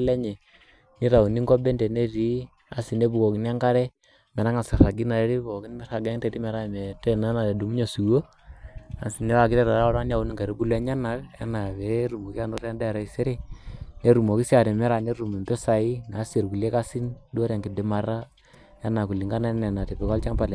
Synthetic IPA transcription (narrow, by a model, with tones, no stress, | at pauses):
lɛ˦ɲe˨ | ni˦ɾa˨u˨ni˦ŋɡo˦be˦nde˨ne˦ɾi˨˦ | a˨si˨ne˦bu˨ko˨ki˦n˦a˦ŋka˦ɾɛ˦ | mɛ˨ɾa˦ŋa˨sa˨ɾa˨ɡi˦na˨ɾe˨˦ɾi˦bu˨ɔ˨ki˦n˦mɛ˦ɾa˨ɡe˦ŋte˨ɾi˦mɛ˨ɾa˦˨me˨tɛ˦na˦na˨e˨du˨m˦ɲo˨su˨wo˦ | a˨si˨ne˦wa˨ki˦te˦ɾa˨ɾa˦ɾa˦n˦a˨u˨˦ni˦ŋɡa˨ɾi˦bu˦lɛ˦ɲa˦na˨˦kḛ˦na˨βe˨˦ɾu˨mo˨ki˦a˦no˦ɾa˦nda˦˨ɾa˨i˨se˦ɾe˦ne˦ɾu˨mo˨ki˦si˦a˨ɾe˨mɛ˦ɾa˨ne˦ɾu˨mu˨mpɛ˦sa˨i˦na˨˦se˨ɾku˨le˦ka˦si˦ndo˦ɾa˨ŋki˨de˨ma˨ɾa˦ | ja˦na˨ku˨li˨ŋɡa˦na˦ne˨na˨te˨bɛ˨ko˦lt͡ʃa˦ŋpa˨le˨